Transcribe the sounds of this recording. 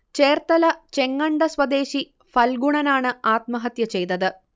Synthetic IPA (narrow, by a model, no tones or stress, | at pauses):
t͡ɕeːrt̪ɐlɐt͡ɕe̞ŋːɐɳɖɐswɐd̪e̞ːɕi | fɐlɡuɳɐnaːɳɨaːt̪̚mɐɦɐt̪jɐt͡ɕe̞jt̪ɐðɨ